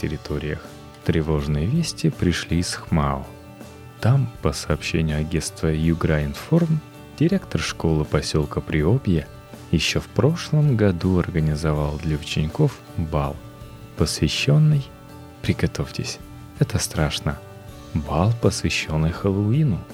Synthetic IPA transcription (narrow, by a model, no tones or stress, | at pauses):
tʲɪɾʲɪt̪ʰo̞ɾʲɪjəx | t̪ɾʲɪvo̞ʐnɨjəvʲesʲtʲɪpɾʲɪʂlʲiːsxmaʊ̰ | t̪ampəsɐːpɕːenʲɪjʊɐɡʲenst̪vəjʊɡɾaɪnform | dʲɪɾʲe̞kt̪ərʂko̞lˠɨpɐsʲo̞lˠkəpɾʲɪo̞bʲjɪ | jɪɕːo̞fpɾo̞ʂlˠəmɡɐd̪uɐrɡənʲɪzɐvalˠd̪lʲɐʊt͡ɕɪnʲɪko̞f | balˠ | pəsvʲɪɕːo̞nːɨj | pɾʲɪɡɐt̪o̞fʲtʲɪsʲ | ɛt̪əst̪ɾaʂnə | balˠpəsvʲɪɕːo̞nːɨjxəlˠʊinʊ